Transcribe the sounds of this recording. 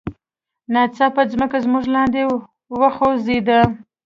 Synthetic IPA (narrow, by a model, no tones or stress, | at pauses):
nɑt͡sɑpəzməkazmuʒlɑnd̪e | wəxozed̪a